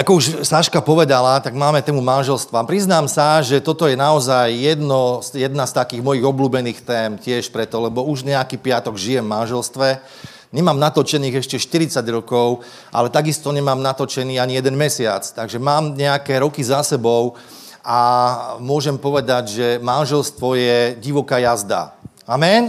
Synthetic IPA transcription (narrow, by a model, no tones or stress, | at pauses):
akɔuʃsaʃkapɔʋɛd̪alat̪aɡmaːmɛt̪ɛːmumanʒɛlst̪ʋapɾiznaːmsaʒɛt̪ɔt̪ɔjɛnaɔzajjɛd̪nɔsjɛd̪nast̪akiːɣmɔjiɣɔbluːbɛniːxt̪ɛːmcɪɛʃpɾɛt̪ɔlɛbɔuʒɲɛakipɪat̪ɔɡʒijɛmmanʒɛlst̪ʋɛ | ɲɛmaːmnat̪ɔt͡ʃɛniːɣɛʃcɛʃt̪iɾit͡saɟɾɔkɔʊ | ʔa̰lɛt̪aɡist̪ɔɲɛmaːmnat̪ɔt͡ʃɛniːaɲijɛd̪ɛnmɛsɪat͡st̪aɡʒɛmaːmɲɛakɛɾɔkizasɛbɔʊ | amʊɔʒɛmpɔʋɛd̪aɟʒɛmanʒɛlst̪ʋɔjɛɟiʋɔkaːjazd̪a̰ | amɛn